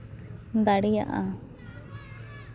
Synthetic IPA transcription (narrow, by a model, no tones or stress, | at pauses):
d̪aɽija̰ʔa